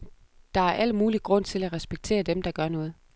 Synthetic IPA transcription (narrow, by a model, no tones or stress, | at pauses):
d̥ɑ̈æɐʔæl̰muːliɡ̥ʁɔ̽n̰t͡sʰe̝læʁɛsb̥eɡ̥̚t͡sʰe̝̰ːɐd̥emd̥ɑ̈ɡ̥ɶɐnɔ̽ːð̞̩ˠ